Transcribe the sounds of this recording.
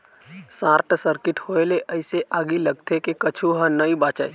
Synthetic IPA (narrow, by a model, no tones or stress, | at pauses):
sãːɾʈsəɾkɪʈhoeleʔəɪseʔaːɡilɐɡt̪ʰekekɐt͡ʃʰuɦə̃nəibaːt͡ʃəe